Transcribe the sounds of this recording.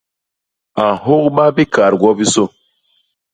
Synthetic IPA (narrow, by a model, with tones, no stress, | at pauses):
a˨ɦo˦k̚ɓa˦bi˦ka˨ɾɡwɔ˦bi˦so˦